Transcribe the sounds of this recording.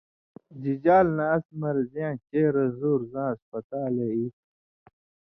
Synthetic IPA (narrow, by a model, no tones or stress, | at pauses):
d͡ʑid͡ʑaːlnaːsmɐɾzjãːt͡ɕeːɾɐzuːɾzãːɐspɐt̪aːleit̪̚